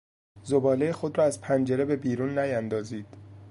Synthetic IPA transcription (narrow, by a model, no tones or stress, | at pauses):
zobɒːle̞jexo̞d̪ɾɒːæzpʰænd͡ʒe̞ɾe̞be̞biːɾuːnːæjænd̪ɒːziːd̪̥